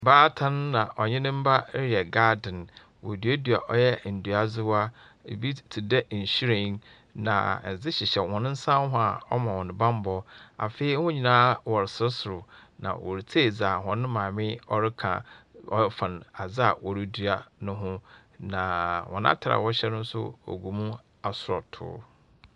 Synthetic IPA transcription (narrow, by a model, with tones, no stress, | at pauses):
baː˦tʰã˦n˦nːã˨ʔɔ˨ɲɪ̃˦nɪ̃˦m̩˦ba˦ɾɛ˨ɡa˦dɪ̃˨n | wɔ̰˨dɥa˦dɥa˨ʔɔ˦jɛ˦˨n̩˨du˨a˨zɪ˦wa˦ | ḛ˨bi˦tʰi˨dɛ˦ʔ̩˨ɕu˦ɾẽ˨˦ŋ | nã̰˨n̩˨zɪ˦ɕɪ˨ɕɛ˨wɔ̃˨nʊ̃˦n̩˦sã˦m˦ɦʊ̃˦a˨ɔ˦mã˨wɔ̃˨nɪ̃˨bã˦m˦bɔ˦a̰˨fe˦i˦hʊ̃˦ɲĩ˨nãː˦wɔ˨ɾɪ˨sɪ˦sʊ˨ɾʊ˨nã̰˨wɔ̰˨ɾi˨t͡sʰe˦˨d͡za˨ɦɔ̃˨nɪ̃˦mãː˨mɪ̃˦ɔ˦ɾɪ˦kʰã̰˨ɔ̰˦fã˨na˨d͡zɪ˦a˨wɔ˨ɾi˦dɥa˨nʊ̃˦ɦʊ̃˦ | nã˨wɔ̰̃˨n˦ã̰˦tʰa˨ɾa̰˨wɔ˦ɕɛ˦nʊ̃˦n̩˦sʊ̰˦o̰˨ɡu˨mũ˦ | a˨sʊ˨ɾɔ˨tʰʊ̰ː˦